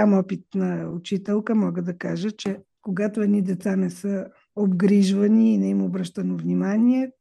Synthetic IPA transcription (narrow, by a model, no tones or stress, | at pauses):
amɔpit̪̚nɐʊt͡ʃit̪ɛlˠkəmɔɡəd̪ɐkaʒət͡ʃɛ | koɡat̪oɛd̪nid̪ɛt̪sanɛsə | obɡɾiʒvəniːnɛimobɾəʃt̪ənovnimaniɛ